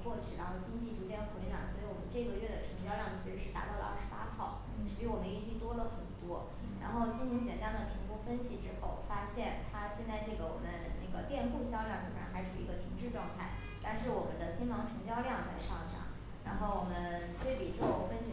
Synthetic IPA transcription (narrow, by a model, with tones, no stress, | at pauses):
kwɔ˥˧t͡ɕʰy˥˩ɻa˧˥nxo˥˩t͡ɕi˥ŋt͡ɕi˥˩ʈ͡ʂu˧˥t̪jɛ˥˩nxwɪnɑ̰˨˩ŋswɔ˧˥i˧˥wɔ˨˩mə˦nʈ͡ʂɤ˥˩˧ɡə˩˦ɥɛ˥˩d̪ə˩ʈ͡ʂʰɤ˧˥ŋt͡ɕjɑ˥˧ʊljɑ˥˩ŋt͡ɕʰi˧˥ʂɻ̩˧˥ʂɻ̩˥˩t̪a̰˧˥t̪ɑ˥˩ʊlə̰˧ʔa̰˥˩ʂɻ̩˧pa˥t̪ʰɑ˥˩ʊ | ʈ͡ʂɻ̩˧˥pi˧˥wɔ˨˩mə˦ni˥˧t͡ɕi˥˩t̪wɔ˥lə˨xə˨˩nt̪wɔ˥ | ɻa̰˧˥nxo˥˩ʊt͡ɕʰi˥nni˧˥nt͡ɕjɛ̰˨˩nt̪a˥ŋd̪ə˨˩pʰi˧˥ŋku˥fə˥nɕi˨˩ʈ͡ʂɻ̩˥xo˥˩ʊ˩fa˥ɕjɛ˥˩nt̪ʰa˥ɕjɛ˥˧nt͡sa˥˧ɪʈ͡ʂɤ˥˩ɡə˩wɔ̰˨˩mə˦nne˥˩ɡə̰˩t̪jɛ˥˧npu˥˧ɕjɑ˥˧ʊljɑ˥˩ŋt͡ɕi˥˩ə˨˩a˧˥xa˧˥ɪʈ͡ʂʰu˨˩i˧˥ɡə˧t̪ʰi˧˥ŋʈ͡ʂɻ̩˥˧ʈ͡ʂwɑ˥˧ŋt̪ʰa˥˩ɪ | t̪a˥˧nʂɻ̩˥˩wɔ˨˩mə̰˦nd̪ə˧ɕi˥nmɑ˧˥ŋʈ͡ʂʰɤ˧˥ŋt͡ɕjɑ˥˧ʊljɑ˥˧ŋt͡sa˥˧ɪʂɑ˥˩ŋʂɑ̰˥ŋ | ɻa˧˥nxo˥˩ʊwɔ˨˩mə˦n | t̪we˥˩ɪpi˨˥ʈ͡ʂxo˥˩fə˥nɕi˧